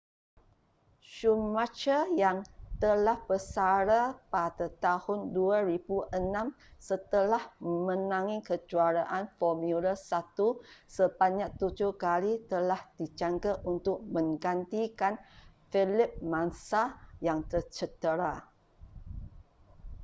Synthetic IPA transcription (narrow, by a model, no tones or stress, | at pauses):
ʃumat͡ʃəjaŋt̪əlahbəsaɾapadat̪ahʊnduaɾibuʔənãm | sət̪əlahmə̃nãŋikəd͡ʒuaɾaʔanfɔmjulasat̪usəbaɲak̚t̪ud͡ʒʊhkalit̪əlahd̥id͡ʒaŋɡəʔunt̪ʊk̚mə̃ŋɡant̪ikan | filɪp̚mansajaŋt̪ərt͡ʃət̪əɾa